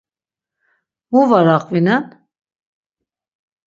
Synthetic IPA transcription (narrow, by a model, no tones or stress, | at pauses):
uvaɾaqʼvinan